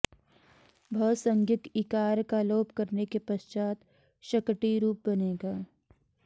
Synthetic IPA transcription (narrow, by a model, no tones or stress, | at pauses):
bʱəːsə̃ŋɡɪt̪ikaːɾkaloːpkɐɾnekepɐʃt͡ʃaːt̪ | ʃɐkʈiɾuːp̚bɐneːɡaː